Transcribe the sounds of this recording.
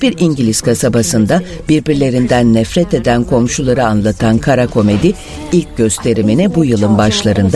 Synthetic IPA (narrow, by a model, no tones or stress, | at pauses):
b̥iɾiɲɟilʲiz̥kʰasabasɯnd̪a | biɾbiɾlʲe̞ɾind̪ænːɛfɾɛt̪e̞d̪ænkʰo̞mʃulˠaɾɯanlˠat̪ʰankʰaɾakʰo̞me̞d̪i | ilʲc̚ɟø̞st̪ʰe̞ɾiminɛbujɯlˠɯnbaʃlˠaɾɯnd̪